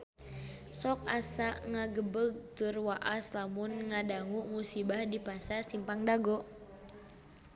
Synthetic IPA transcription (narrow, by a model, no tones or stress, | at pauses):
sɔk̚asaʔŋaɡəbəɡ̚t̪ʊrwaʔaslamʊnŋadaŋuʔmusibahdipasasimpaŋdaɡɔʔ